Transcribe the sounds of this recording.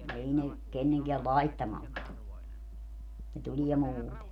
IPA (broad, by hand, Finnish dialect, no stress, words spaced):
ei ne kenːeŋkeæ lɑitːɑmɑlt tu ne tulʲiɛ muːte